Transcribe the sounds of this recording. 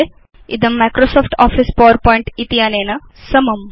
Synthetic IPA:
e | ḭd̪ɐmːajkɾosɔːpʈɔːfispoʋəɾpɔiɳʈit̪iaːneːnɐ | sɐmɐm

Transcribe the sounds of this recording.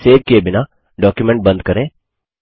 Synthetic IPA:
seːd̪̚kebɪna | ɖɔːkjumɛ̃ɳʈ̚bɐ̃nd̪̚kɐɾẽː

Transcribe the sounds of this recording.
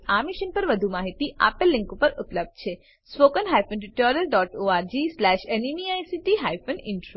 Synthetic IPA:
amiʃənpəɾʋəd̪ʱumaɦit̪iʔa̰pəlːɪ̃ŋkupəɾupləb̚d̪̚t͡ʃʰe | spokənɦajfonɖiʈoɾijəlɖɔʈoaɾd͡ʒislɛʃenimiajsiʈiɦajfənɪɳʈɾo

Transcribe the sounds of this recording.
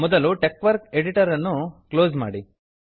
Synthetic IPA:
mɔd̪ɐluʈekːʋɐɾkeɽiʈɐɾɐnːukloːzma̰ːɽi

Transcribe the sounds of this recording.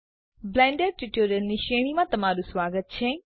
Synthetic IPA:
blɛ̃ːɳɖəɾʈuʈoːɾjəlniʃeːɽ̃imãt̪ɐmaːɾuswaːɡət̪̚t͡ɕʰeː

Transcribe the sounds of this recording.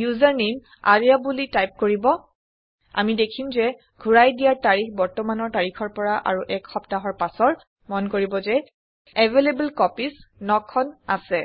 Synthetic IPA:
juzaɹnem | a̰ɹijabulitajp̚koɹibɔ | a̰midekʰimzɛ | ɡʱuɹajdijaɹtaɹikʰbɔɹtɔmanɔɹtaɹikʰɔɹpɔɹaʔa̰ɹuʔɛkxɔptaɦɔɹpasɔɹ | mɔnkoɹibɔzɛ | ɛvʱelebɛlkɔpisnɔkʰːɔnasɛ

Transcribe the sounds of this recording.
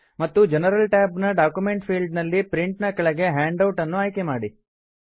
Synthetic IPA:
mɐt̪ːud͡ʒɛnɐɾɐlʈaːbnɐɖaːkjume̞ɳʈpʰiːɭɖnɐlːipɾiɳʈnɐkɐɭɐɡe̞ɦaːɳɖɐwʈɐnːuaːjke̞maːɽi

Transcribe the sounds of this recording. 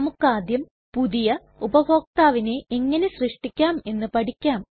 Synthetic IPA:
ɐmukːaːd̪jɐm | puðijɐ | ubɐbʱo̞ːk̚t̪aːʋine̞ʔeŋːɐne̞ɕrɨʂʈikʲːaːme̞nːɨpɐɽikʲːaːm

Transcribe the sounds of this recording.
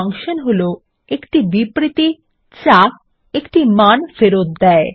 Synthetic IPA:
aŋʃonɦolo | ekʈibipɾit̪i | t͡ɕak̚ | ekʈimanfeɾot̪̚d̪ɛe

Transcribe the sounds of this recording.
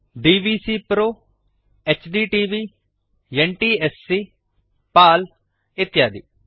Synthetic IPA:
ɖiːʋiːsiːpɾoː | ɛːt͡ʃɖiːʈiːʋiː | jɛɳʈiːɛsːiː | paːl | et̪jaːd̪ḭː

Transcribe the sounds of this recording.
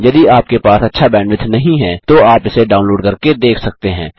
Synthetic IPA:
jɐd̪iaːp̚kepaːsɐtːʃʰabɛːɳɖʋɪt̪ʰnɐɦĩɦɛ̃ːt̪oaːpɪseɖaːʊnloːɖkɐɾked̪eːkʰsɐk̚t̪eɦɛ̰̃ː

